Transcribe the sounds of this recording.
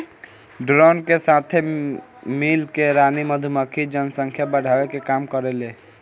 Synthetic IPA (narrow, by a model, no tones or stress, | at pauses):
ɖɾɔnkesat̪ʰe | milkeɾaniməd̪ʱuməkʰid͡ʒənsəŋkʰjabəɽ̤ʱawekekamkəɾele